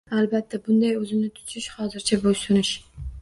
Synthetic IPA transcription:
alˠbat̪ʰːabʊnd̪ajɵzɪnɪt̪ʰʊ̥t͡ʃ̪ʰɪʃhɒzɪɾt͡ʃʰabosʊnɪʃ

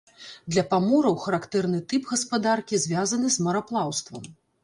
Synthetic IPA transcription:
d̪lʲɐpamɔɾɐwxɐɾakt̪ɛrnɨt̪ɨpɣɐspad̪arkʲizʲvʲazɐnɨzmɐɾaplˠawst̪vɐm

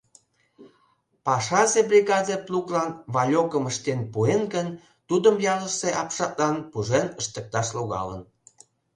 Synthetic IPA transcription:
pɑʃɑzebrʲiɣɑd̪epluklɑnβɑlʲokəməʃt̪enpuenɡən | t̪ud̪əmjɑləseʔɑpʃɑt̪̚lɑnpuʒenəʃt̪ək̚t̪ɑʃloɣɑ̰lə̰n

